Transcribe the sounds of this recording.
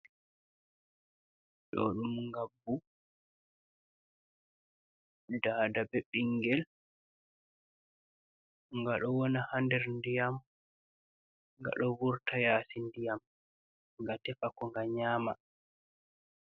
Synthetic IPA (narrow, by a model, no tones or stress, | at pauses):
ɗɔ̰ɗumŋɡabːu | daːdabɛɓiŋɡɛl | ŋɡaɗɔwɔnahandɛɾndijam | ŋɡa̰ɗɔwuɾtʰajaːsindijam | ŋɡatɛfakɔŋɡaɲaːma